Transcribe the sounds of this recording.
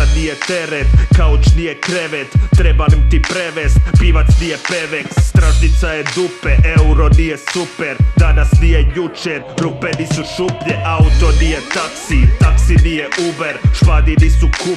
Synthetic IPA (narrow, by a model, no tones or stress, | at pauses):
anijet̪eɾet̪kaot͡ʃnijekɾeʋet̪ːɾebanimt̪ipɾeʋest̪piːʋat̪snijepeʋekst̪ɾaʒnit̪sajed̪upeʔeuɾonijesupeɾd̪anasnijejut͡ʃeɾɾupeniːsuʃupʎeʔaut̪onijet̪aksit̪aksinijeʔubeɾʃpaːd̪iniːsuku